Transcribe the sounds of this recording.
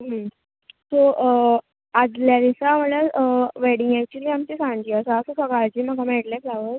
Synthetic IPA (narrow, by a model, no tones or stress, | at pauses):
ɦəm | so | ad͡zljad̪isam̤əlaʋeɽiŋɡæk̚t͡ɕuliːamt͡ɕesãnd͡ʑiːəsasosəɡɭat͡ɕiːm̤əɡamɛʈlaflaʋət